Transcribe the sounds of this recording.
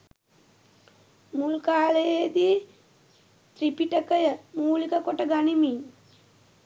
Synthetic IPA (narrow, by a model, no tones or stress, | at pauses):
mulkaːlejed̪i | t̪ɾipiʈəkəjəmuːlikəkoʈəɡanimiɲ